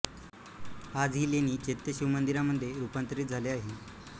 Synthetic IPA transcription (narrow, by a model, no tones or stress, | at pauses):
ad͡zɦiːljeniːt͡ɕet̪ːjəɕiʋmənd̪iɾaməd̪ʱːjeɾupant̪ɾiːt̪̚d͡zʱaleaɦe